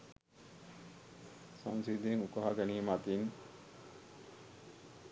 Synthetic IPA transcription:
saŋsid̪eŋukaɦaɡɛniimat̪iŋ

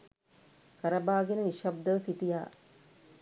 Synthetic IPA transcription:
kɐɾɐbaːɡenəniʃɐb̚d̪əʋsiʈijaː

